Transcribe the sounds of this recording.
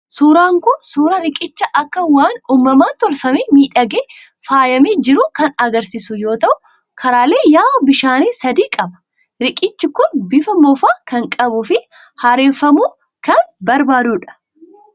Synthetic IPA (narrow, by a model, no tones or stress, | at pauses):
suːɾaːŋkʊnsuːɾɐɾɪkʼɪt͡ʃːɐʔɐkːɐwaːnuːmːɐmaːnt̪ɔɾfɐmeːmiːᶑɐɡe | faːjɐmeːd͡ʒɪɾʊkɐnɐɡɐɾsisʊjo̞ːt̪ɐʔʊ | kʰɐɾaːle̞ːjaːʔɔbɪʃaːniːsɐd̪iːkʼɐbɐ̥ | ɾɪkʼɪt͡ʃːɪkʊnbɪfɐmɔfaːkɐŋkʼɐbʊfɪ | haːɾeːfɐmuː | kɐnbɐɾbaːd̪uːᶑɐ̥